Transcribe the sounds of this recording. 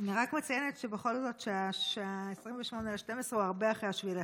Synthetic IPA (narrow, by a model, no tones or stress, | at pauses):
aniʁakmet͡sajenetʃebeχo̞lzo̞t̪ʃeaeaesʁimveʃmo̞neʃte̞mesʁeuaʁbeaχʁeaʃvile